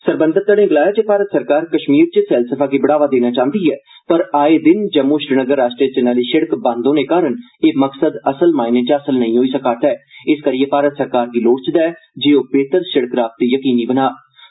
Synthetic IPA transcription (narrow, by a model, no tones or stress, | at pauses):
səɾbənd̪əɾt̪əɽẽːɡlaːjaːt͡ʃepaːɾət̪səɾkaːɾkəʃmiːɾt͡ʃəfɛːlsəfʰaːkeːbəɽaːʋaːd̪eːnaːt͡ʃãːnd̪iːɛː | pəɾaːeːd̪ɪnd͡ʒəmːuːɪʃɾənəɡəɾːaːsʈɾieːt͡ʃənaːliːʃəɽkbãːnd̪õːneːkaːɾəɳ | eːməksəd̪əsəlmaːɪnẽːt͡ʃəsəlnəĩːɦoːiːsəkaːt̪ɛːɪskəɾijeːpaːɾət̪səɾkaːɾd̪iːloːɽt͡ʃd̪aɛːd͡ʒeːoːbeːt̪əɾʃəɽəkɾaːft̪ːiːjəkiːniːbənaː